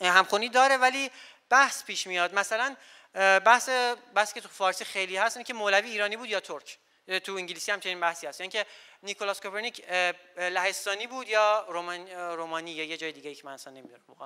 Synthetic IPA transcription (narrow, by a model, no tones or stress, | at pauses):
hæmxuniːd̪ɒːɾevæliː | b̥æhspʰiːʃmijɒːd̪mæsælæn | bæhsebæhsiːcʰet̪ufɒːɾsixejliːhæst̪inicʰemolæviːɾɒːniːbuːd̪jɒːt̪ʰoɾkʰ | t̪ʰuiŋɟilisiːhæmt͡ʃʰe̞niːnbæhsiːæst̪jɑiŋcʰe | nikʰolɒskʰopʰeɾniːcʰlæhe̞st̪ɒːniːbuːd̪jɒːɾomnɾomɒːniːjɒːjed͡ʒɒːjed̪iːɟejicʰemænæsænːemid̪uɾæmboxɑ̰